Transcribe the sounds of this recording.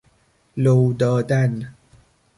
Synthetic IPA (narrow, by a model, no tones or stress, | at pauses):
lowd̪ɒːd̪æn